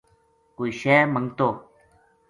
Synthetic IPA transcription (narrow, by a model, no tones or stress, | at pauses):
koiʃeməŋɡt̪oː